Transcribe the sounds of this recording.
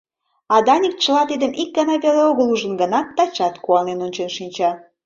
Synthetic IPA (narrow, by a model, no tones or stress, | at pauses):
ɑd̪ɑnʲik̚t͡ɕəlɑt̪id̪ə̆mik̚ɡɑnɑβeleoɣəluʒə̆nɡə̆nɑt̪ːɑt͡ɕɑt̪kuɑnenonʲt͡ɕenʃinʲt͡ɕɑ